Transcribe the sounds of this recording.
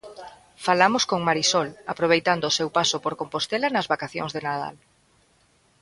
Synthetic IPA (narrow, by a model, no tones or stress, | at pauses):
falamoskoŋmaɾisɔlapɾoβ̞ejt̪and̪oːsewpasopoɾkompost̪elanɐzβakaθjo̰ŋzðenaða̰l